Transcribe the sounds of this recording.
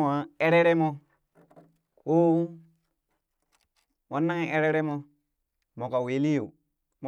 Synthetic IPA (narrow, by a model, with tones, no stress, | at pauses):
a˨e˦ɾe˦ɾe˦mo˦ | ko˦ | wa˨˦nːa˦ŋe˦e˦ɾe˦ɾe˦mo˦ | mo˨ka˨we˨li˦u˨ | m